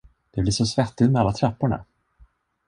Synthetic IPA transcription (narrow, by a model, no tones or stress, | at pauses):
d̪̥ɛblɪʂɔsvɛt̪ːɪt̪mɛalːat̪ʰɾapːʊɳa̰